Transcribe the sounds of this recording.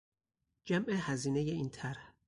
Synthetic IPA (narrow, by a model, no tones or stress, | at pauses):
d͡ʒæmʔehæziːnejeiːnt̪ʰæɾh